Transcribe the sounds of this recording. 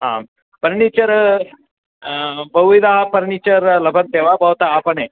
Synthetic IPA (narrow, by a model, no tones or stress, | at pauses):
ɦã̰ | pəɾnit͡ɕəɾ | bəwʋid̪aɦapəɾnit͡ɕəɾləbʱənt̪eʋabəwt̪aːpəɳe